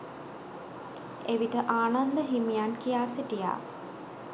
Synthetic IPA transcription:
eʋiʈəʔaːnand̪əɦimijankijaːsiʈija̰ː

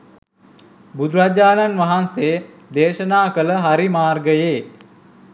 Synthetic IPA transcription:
bud̪ɾad͡ʒaːnanʋɐɦanseː | d̪eːʃənaːkələɦaɾimaːrɡəjeː

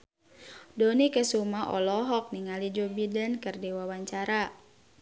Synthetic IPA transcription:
dɔnikəsumaʔɔlɔɦɔk̚niŋalid͡ʒɔbidənkərdiwawaɲt͡ʃaɾa

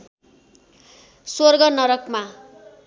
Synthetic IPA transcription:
sworɡʌnʌɾʌkma

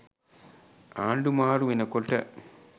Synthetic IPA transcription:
aːɳɖumaːruminɐkːoɭʈːɐ̰

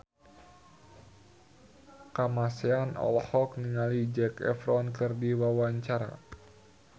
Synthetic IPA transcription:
kamasɛanɔ̰lhɔkniŋalid͡ʒɛkɛ̰fɾɔnkɨrdiwawaɲt͡ʃaɾa̰

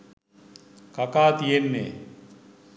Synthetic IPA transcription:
kakaːt̪ijenːḛ

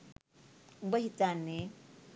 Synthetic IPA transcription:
bəɦit͡sanːe

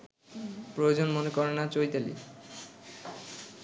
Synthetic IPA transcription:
pɾojod͡ʑonmonekɔɾenat͡ɕojt̪elḭ

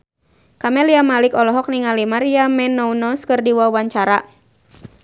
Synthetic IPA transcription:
kamɛliamalikɔlɔɦɔk̚niŋalimaɾiamɛnːɔunɔskɨrdiwauwaɲt͡ʃaɾa

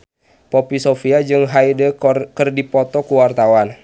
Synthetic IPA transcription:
pɔpisofiad͡ʒɨŋɦaidəkərdipɔt̪ɔkuwart̪awan

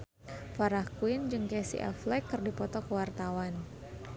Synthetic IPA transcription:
faɾahkuɪnd͡ʒɨŋkɛsḭʔa̰flɛkːɨrdipɔt̪ɔkəwart̪awan

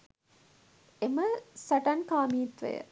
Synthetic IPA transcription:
eməsɐʈɐnkaːmiːt̪ʋɐ̰jə̰

